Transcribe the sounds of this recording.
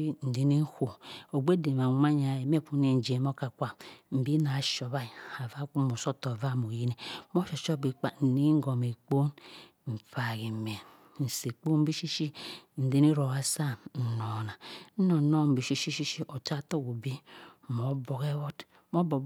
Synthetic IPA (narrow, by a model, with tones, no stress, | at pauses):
i˦n̩˨di˦ni˦hu˨o˨ɡ͡be˦de˨ma˨mʷa˦ɲa˨je˨me˦ku˨˦ne˨n̩˨d͡ʒe˨m˦o˦ka˨kʷa˦m̩˨bi˦na˨ʃo˨βa˦i˨a˨va˦ku˦mo˨so˦to˨va˦˨mo˨ji˦ne˨mo˦ʃo˨ʃo˦bi˨k͡pa˦n̩˨ni˦ŋ˦ɡo˨me˨k͡po˦n | m̩˨fa˨ɡi˨me˨ | n̩˨se˨k͡po˦m̩˦bi˦ʃi˦ʃi˦n̩˨di˦ni˦ɾo˨wa˦sa˦˨n̩˨no˨na˨n̩˦no˨no˦m̩˨bi˨ʃi˦ʃi˦ʃi˦ʃi˦o˨ta˦to˦ku˨bi˦˨mo˨bo˨ke˦wo˦d | mo˦bo˨